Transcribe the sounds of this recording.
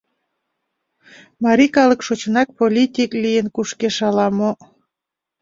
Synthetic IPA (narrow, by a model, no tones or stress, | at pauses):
mɑɾikɑləkʃot͡ɕənɑk̚polʲit̪ʲiklijənkuʃkeʃɑlɑmo